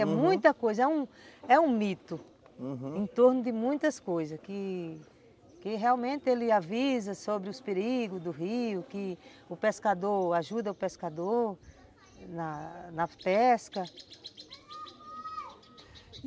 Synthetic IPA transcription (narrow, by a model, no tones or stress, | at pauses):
ɛmũj̃t̪ɐkojzɐɛũɛũmit̪ʊ̃ | ẽt̪oɾnʊd̪ɪmũj̃t̪ɐskojzɐskɪ | kɪɦeawmẽnt̪ɪelɪavizɐsobɾɪʊspeɾiɡʊzd̪ʊɦiʊkɪʊpeskad̪oɾaʒud̪ɐʊpeskad̪oɾ | nɐnɐpɛskɐ